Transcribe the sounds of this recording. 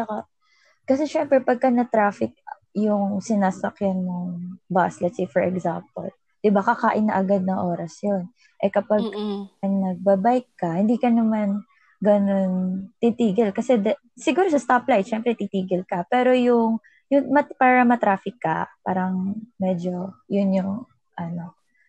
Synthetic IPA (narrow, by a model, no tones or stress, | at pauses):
ɐka | kɐsɛʃɛmpɾɛpɐɡ̚kɐnɐt̪ɾaːfɪk̚ | jʊŋsɪnaːsɐkjanːʊŋbaslɐt̪sifɛɹʔɛɡzampɐ̰l | d̪̥ɪbakɐkaːʔɪnːɐʔɐɡad̪̚nɐŋʔo̞ːɾɐsjon | ʔɛkɐpɐɡ̚ɐnɐɡ̚bɐbajkːɐhɪnd̪iːkɐnɐman | ɡɐno̞nt̪it̪iːɡɛlkɐsɛd̪ɐ | sɪɡuːɾosɐst̪aplajt̪ʃɛmpɾɛt̪it̪iːɡɪlkɐpɛːɾo̞jʊŋ | jʊŋmɐpaːɾɐmɐt̪ɾaːfɪkːɐ̰pa̰ːɾɐŋmɛd͡ʒojʊnjʊŋ | ʔɐno̞